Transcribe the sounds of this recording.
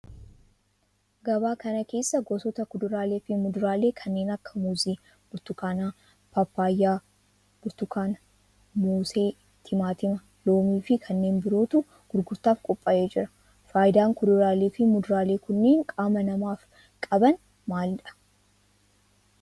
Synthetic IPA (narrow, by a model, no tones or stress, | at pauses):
ɡɐbaːkɐnɐke̞ːsːɐɡɔsɔt̪ɐkʊd̪ʊɾaːleːfɪmʊd̪ʊɾaːle̞ːkʰɐnːe̞ːnɐkːɐmuziː | b̥ʊɾt̪ʊkaːnaː | pɐpːaːjːaː | b̥ʊɾt̪ʊkaːn | moːseː | t̪ʰɪmaːt̪ɪmɐ | lo̞ːmiːfɪkʰɐnːe̞ːnbɪɾo̞ːt̪ʊ | ɡ̥ʊɾɡʊɾt̪aːfkʼɔpʼːaːʔeːd͡ʒɪɾɐ̥ | faːjɪd̪aːŋkʊd̪ʊɾaːleːfɪmʊd̪ʊɾaːle̞ːkʊnːe̞ːŋkʼaːmɐnɐmaːf | kʼɐbɐn | maːlᶑɐ̥